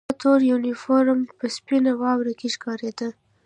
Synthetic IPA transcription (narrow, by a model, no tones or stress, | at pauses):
t̪oɾjunifoɾmpəspinawɑwɾakeʃkɑɾed̪ə